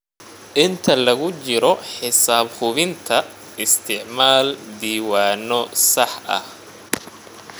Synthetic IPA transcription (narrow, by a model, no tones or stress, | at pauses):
ʔɪnt̪ʰɐlɐɣʊt͡ʃɪɾɔħɪsaːbhʊβɪnt̪ʰɐ | ɪst̪ʰɪʕmaːld̪iːwaːnɔsɐħʔɐ̰h